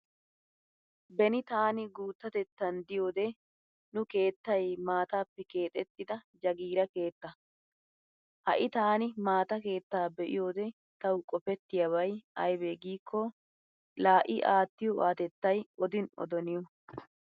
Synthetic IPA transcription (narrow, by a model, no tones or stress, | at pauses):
bɛnɪt̪aːnɪɡuːt̪ːɐt̪ɛt̪ːɐnd̪ɪjo̞ːd̪ɛ | nʊke̞ːt̪ːɐjmaːt̪aːpːɛke̞ːt̪ʼɛt̪ːɪd̪ɐd͡ʒɐɡiːɾɐke̞ːt̪ːɐ | hɐ̰ʔɪt̪aːnɪmaːt̪ɐke̞ːt̪ːaːbɛʔɪ̰jo̞ːd̪ɛ | t̪ɐwkʼɔpɛt̪ːɪjɐbɐjɐjbeːɡiːkʰːɔ | laːʔɪʔaːt̪ːɪjɔaːt̪ɛt̪ːɐjɔd̪ɪnɔ̰d̪ɔnɪjɔ